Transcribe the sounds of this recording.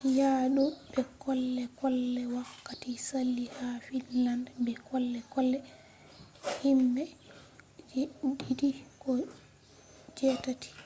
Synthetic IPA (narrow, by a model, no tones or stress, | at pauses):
jaːɗubɛkɔlːɛkɔlːɛwakːatisalːihafinlandbɛkɔlːɛkɔlːɛ | himːɛ | didikɔ | d͡ʒɛtatʰi̥